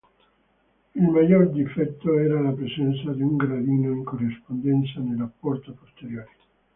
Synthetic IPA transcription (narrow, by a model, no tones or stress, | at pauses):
ilmajːord̪ifɛt̪ːoɛːɾalapɾezɛnt̪sad̪iuŋɡɾad̪iːnoiŋkorːispond̪ɛnt̪sanelapːɔrt̪opost̪eɾjoːɾi